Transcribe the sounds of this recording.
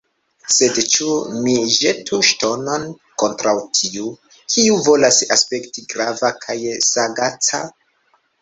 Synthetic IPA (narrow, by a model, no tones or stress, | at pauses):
se̞dt͡ʃumiʒetʰuʃto̞no̞n | ko̞ntɾawtʰiu | kʰiuvo̞lasaspe̞ktiɡɾavakʰajsaɡat͡sa